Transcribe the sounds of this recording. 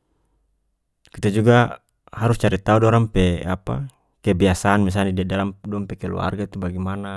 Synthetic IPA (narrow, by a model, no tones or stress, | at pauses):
kit̪ad͡ʒuɡa | haɾust͡ʃaɾit̪audɔɾampɛa̰pa̰ | kɛbiasaːnmis̬anidiadalamdɔampɛkɛlṵa̰rɡat̪ubaɡimana